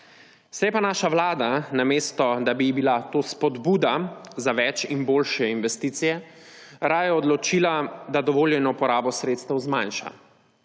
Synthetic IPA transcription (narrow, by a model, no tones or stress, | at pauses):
sjɛpanaːʃaʋlaːd̪anameːst̪ɔd̪abibilat̪oːspɔd̪buːd̪azaʋɛt͡ʃinboːlʃɛinʋɛst̪iːt̪sijɛ | ɾaːjɛɔd̪lɔt͡ʃilad̪ad̪ɔʋoːljɛnɔpɔɾaːbɔsɾeːt̪st̪ɛwzmanʃa̰